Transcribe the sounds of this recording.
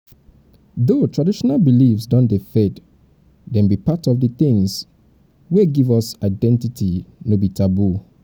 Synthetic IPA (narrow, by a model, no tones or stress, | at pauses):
ðotɹadiʃɔnalbilifsdɔ̃ndefɛd | dɛ̃nbipatɔvdəθɪ̃ŋs | weɡivɔsaɪdɛ̃ntitinobitʰabu